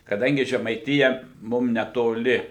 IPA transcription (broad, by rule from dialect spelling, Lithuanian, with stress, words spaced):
kɐˈdɐŋʲɡʲɪ ʒʲɛmɐɪˈtʲɪjɛ ˈmʊm nʲɛtoːˈlʲɪ